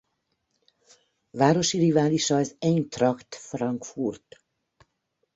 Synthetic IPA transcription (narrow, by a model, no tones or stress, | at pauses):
vaːɾo̞ʃirivaːliʃɒɛzɛnt̪rɒkt̪frɒŋkfurt̪